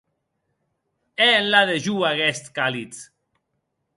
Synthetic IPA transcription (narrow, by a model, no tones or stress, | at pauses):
eːnlaðeʒuaɣɛst̪kalit͡s